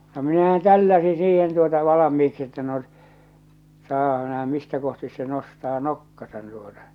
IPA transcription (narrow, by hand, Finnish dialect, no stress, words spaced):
no minæhæn tælːæsi siːhen tuotɑ ʋɑlɑmiːksi etːæ no sɑːpɑ næhæ mistæ kohtis se nostɑː nokːɑsɑn tuotɑ